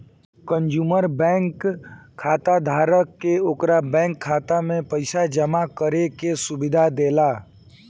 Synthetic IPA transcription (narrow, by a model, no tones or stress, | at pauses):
kə̃nd͡ʒuːməɾbɛ̃ːŋkʰː | aːt̪ad̪ʱaːɾəkːeoːkɾabɛ̃ːŋkʰːaːt̪amẽpəɪsad͡ʒəmakəɾekesʊbɪd̪ʱad̪eːlaː